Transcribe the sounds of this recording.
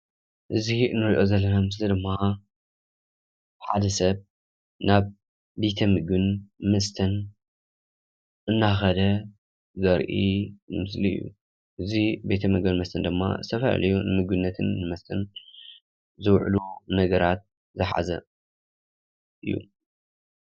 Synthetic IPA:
ʔɨziɨnːɨɾiʔo̞zɐlːɐnamɨslid̪ɨmːa | ħad̪ɐsɐβ | naβ | be̞t̪ʰɐmɨɡɨnmɐst̪ʰɐn | ʔɨnːaxɐd̪ɐ | zɐɾʔimɨsliɨ̰jːṵ | ʔɨzibet̪ʰɐmɨɡɨnmɐst̪ʰɐnd̪ɨmːa̰zɨt̪ʰɐfɐl̰lijunɨmɨɡɨnːɐt̪ʰɨnːɨmɐst̪ʰɐn | zɨwʕ̰lunɐɡɐɾat̪̚ | zɨħa̰zɐ̰ | ʔɨjːṵ

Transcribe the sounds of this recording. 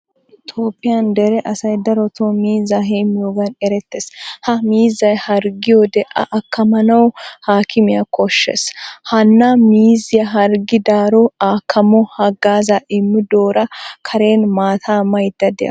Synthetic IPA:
ɪt̪ʰoːpʼːɪjɐnd̪ɛɾɛʔɐsɐjd̪ɐɾɔt̪omiːzɐɦeːmːɪjoːɡɐnɛɾɛt̪ːeshɐmiːzːɐjhɐɾɡɪjɔd̪ɛʔɐ̰ʔɐkʰːɐmɐnɐwhaːkʰɪmɪjɐkʰɔʃːɛ̰shɐnːamiːzɪjɐɦɐɾɡɪd̪aːɾɔaːkʰːɐmɔhɐɡaːzaʔɪmːɪd̪oːɾɐkʰɐɾe̞ːnmaːt̪ʰaːmɐjd̪ːɐd̪ɛjɐ̰

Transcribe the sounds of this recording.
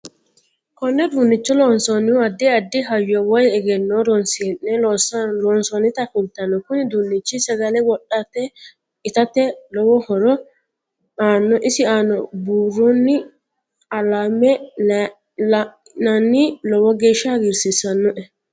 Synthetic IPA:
kɔnːɛd̪uːnːɪt͡ʃːɔlɔːnsɔnɪʊɐd̪ːɪɐd̪ːɪɦɐjːɔwɔjɛɡɛnːɔːɾɔnsɪɛnːɛlɔsɐɾɔːnsɔnɪt̪ɐkʊlt̪ːɐnːɔkʊnɪd̪uːnːɪt͡ʃːɪsɐɡɐlɛwɔɗːat̪ɛ | ɪt̪ɐt̪ɛlɔwɔhɔɾɔ | aːnːɔʔɪsɪaːnːɔbuːrɔnːɪ | ɐlaːmɛ | nɐnːɪlɔwɔɡe̞ːʃːɐɐɡɪɾsɪsɐnːɔʔɛ

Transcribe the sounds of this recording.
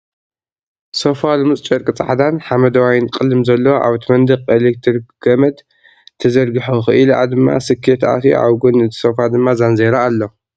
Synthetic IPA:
sofalɨmɨt͡sʼt͡ʃʼɐɾkʼɨt͡sʼa̰ʕad̪anħamɐd̪ɐwajnkʼɨlːɨmzɐlːɐwʔa̰βɨt̪ʰɨmɐnd̪ɨqʼelek̚t̪ʰɨɾɡɐmɐd̪ | t̪ʰɐzɐɾɡɨħoxɨʔɨlʔa̰d̪ɨmːa̰sɨkʰːet̪ʔa̰t̪ʰiʕa̰wɡunɨt̪ʰi̥sofad̪ɨmːazanzeɾaːlːo

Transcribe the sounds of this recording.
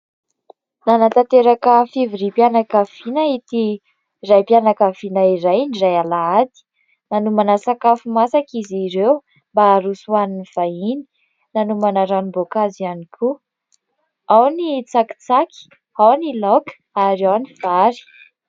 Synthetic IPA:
nanat̪at̪eɾakəfiviɾipjanakav̥inait̪i | rajpjanakavinaiɾajnirajalaad̪i̥ | nanumanasakafumasakiziɾew | mbaːɾusuaniniv̥aini̥ | nanumanaɾanibokazianikʰu | awnit͡saki̥t͡saki̥ | awnilɔk | aɾawniv̥aɾi̥

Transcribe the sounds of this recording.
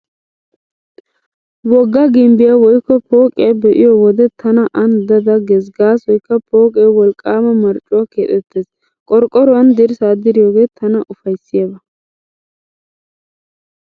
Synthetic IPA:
wɔɡːɐɡɪmbɪjawɔjkːɔpo̞ːkʼɪɐbɛʔɪjɔwɔd̪ɛt̪ʰɐnɐʔɐnd̪ɐd̪ɐɡɛs̬ɡaːsɔjkːɐpo̞ːkʼeːwɔlkʼːaːmɐmɐɾt͡ʃʼːʊwaːkeːt̪ʼɛt̪ːeːs | kʼɔɾkʼːɔɾʊwɐnd̪ɪɾsaːd̪ɪɾɪjoːɡe̞ːt̪ʰɐnɐʔʊfɐjsːɪjabɐ

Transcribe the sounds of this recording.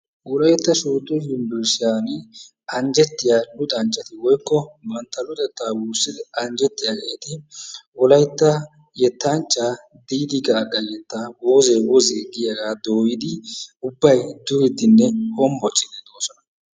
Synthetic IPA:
wɔlɐjt̪ːɐsuːt̪ːɔjʊmbɪɾsɪjaːn | ɐnd͡ʒɛt̪ːɪjalʊt̪ʼɐnt͡ʃʼːɐt̪ɪwɔjkːɔmɐnt̪ːɐlʊt̪ʼɛt̪ːaːwuːsːɪd̪ɪɐnd͡ʒɛt̪ːɪjakʼɛt̪ɪwɔlɐjt̪ːɐ | jɛt̪ːant͡ʃʼːa | d̪iːd̪ɪɡɐːkʼːɐjɛt̪ːawoːzɛwɔzeːɡɪjɐɡaːd̪oːjɪd̪ɪʊbːɐjd̪ʊɾɪd̪ɪnːɛhɔmbɔt͡ʃʼːɪd̪ɛd̪oːsɔnɐ

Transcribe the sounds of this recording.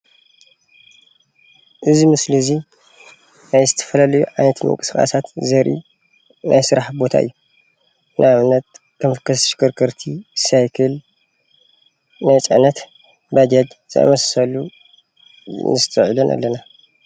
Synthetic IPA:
ʔɨzimɨslizi | najzɨt̪ʰɐ̥fɐlɐlɐjuʕajnɐt̪mɨ̰ŋkʼɨ̥skʼxʼa̰sat̪zɐɾʔḭ | nʔa̰jsɨɾaħbo̞t̪ʰa̰ʔɨ̰jːu | nʔaβnɐt̪̚ | kʰɨmfɨkʰɐsʃkʰɐɾkʰɐɾt̪ʰisajkʰɐl | najt͡sʼɐʕnɐt̪ | bad͡ʒad͡ʒz̥ɨʔa̰mɐssɐlu | nɨst̪ʰɐʕlɐnʔa̰lːɐna

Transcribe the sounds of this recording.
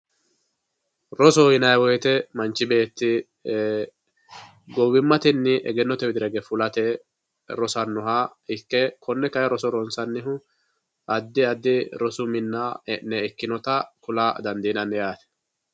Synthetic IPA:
ɾɔsɔhɪnɐjwɔjɛt̪ɛmɐnt͡ʃːɪbe̞ːt̪ːɪ | ɡɔwɪmːɐt̪ɪnːɪʔɛ̰ɡɛnːɔt̪ɛbɪd̪ɪɾɐɡɛfʊlɐt̪ɛ | ɾɔsɐnːɔɦaɪkːɛkʰɔnːɛkɐjɐɾɔsɔɾɔnsɐnːɪɦʊ | ɐd̪ːɪɐd̪ːɪɾɔsʊmɪnːanːɛɛkːɪnɔt̪ɐkʊlaːd̪ɐnd̪iːnɐnːɛjaːt̪ɛ̥

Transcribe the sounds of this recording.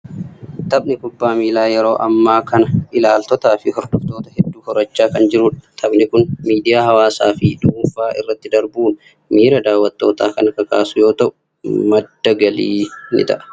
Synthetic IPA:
t̪ɐbnɪkʊbːaːmiːlaːjɛɾo̞ːʔɐmːaːkɐnɐʔɪlaːlt̪ɔt̪aːfɪhɔɾd̪ɔft̪oːt̪ɐhɛd̪ːuːhɔɾɐt͡ʃːaːkɐnd͡ʒɪɾʊːᶑɐ̥t̪ʰɐbnɪkʊnmiːd̪ɪjaːhɐwaːsaːfɪᶑ̪uːfaːʔɪ̰rːɐt̪ːɪd̪ɐɾbuːn | miːɾɐd̪aːwːɐt̪ːo̞ːt̪aːkɐnɐkɐkaːsʊjo̞ːt̪ɐʔʊ | mɐd̪ːɐɡɐliːnɪ̰t̪ɐ̰ʔɐ̥

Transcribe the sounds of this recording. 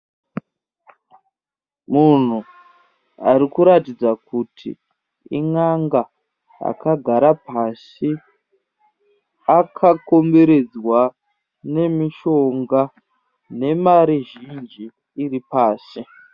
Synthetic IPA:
mun̤u | aɾikuɾatid͡zakutʰḭ | ḭŋaŋɡa | a̰kaɡʱaɾapas | i | akʰako̞mbe̞ɾe̞d͡zwa | ne̞miʃo̞ŋɡa | ne̞maɾiʒind͡ʒiː | ripaːsi

